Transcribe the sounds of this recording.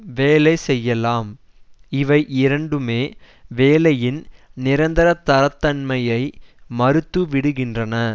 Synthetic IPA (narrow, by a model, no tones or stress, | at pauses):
ʋeːlɐɪsɛjːɐlaːm | ɪʋɐɪʔɪɾɐɳɖɯmeː | ʋeːlɐjɪnnɪɾɐnd̪ɐɾɐt̪ːɐɾɐt̪ːɐɳmɐjɐɪmɐɾɯt̪ːɯʋɪɽɯɣɪndrɐnɐ